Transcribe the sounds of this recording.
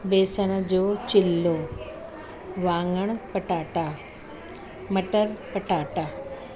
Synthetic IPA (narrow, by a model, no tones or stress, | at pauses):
besanad͡ʑot͡ɕilːo | ʋãŋɡəɳpəʈaʈa | məʈəɾpəʈaʈa